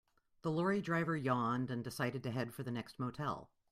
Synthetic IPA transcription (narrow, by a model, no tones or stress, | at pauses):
ðəlɔɹidɹaɪvə˞jɑ̃ndɨ̃ndɨsaɪɾɨd̚tɨɦɛd̥fə˞ðɨnɛkst̚moʊtʰɛ̰lˠ